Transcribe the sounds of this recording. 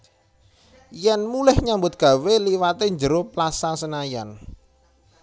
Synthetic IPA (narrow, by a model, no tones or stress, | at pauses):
jɛnmulɪhɲambʊt̪̚ɡ̥a̤weliwat̪eɲd͡ʒəɾoplasasənajan